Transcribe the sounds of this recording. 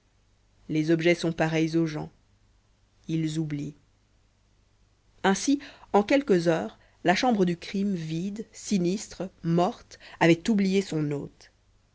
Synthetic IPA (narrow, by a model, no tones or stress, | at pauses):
lezɔbʒɛsɔ̃paʁɛjzoʒɑ̰̃ | ilzubli | ɛ̃siɑ̃kʲɛlkəzœːʁ | laʃɑ̃bʁəd̪ykχimvid̪sinist̪χəmɔʁt̪avɛt̪ublijesɔ̃no̰ːt̪